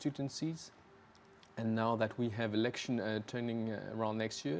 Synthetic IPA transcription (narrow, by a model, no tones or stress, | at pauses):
ʉtə̃n̩siz̥ | ɨ̃nːaʊðɨt̚ʰwiɨvɨlɛkʃə̃ntʰɜ˞nɪ̃ŋə̰ɹãʊ̃nːɛkstjɪ